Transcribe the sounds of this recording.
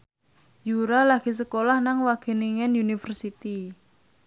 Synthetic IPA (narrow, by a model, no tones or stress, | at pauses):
juɾalaɡ̥i̤s̬əkolahnaŋwaɡ̥e̤niŋɛnunifərsit̪i